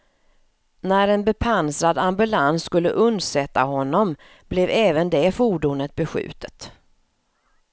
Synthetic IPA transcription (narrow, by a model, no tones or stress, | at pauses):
næɾɛnbɛpʰansɾad̪ambɵlansːkɵlːəʔɵnd̪sɛt̪ːaɦɔnːɔm | b̥lɛvɛːvənd̪ɛfuːɖuːnət̪̚bɛɧʉ̟̰ːt̪ʰə̥t̪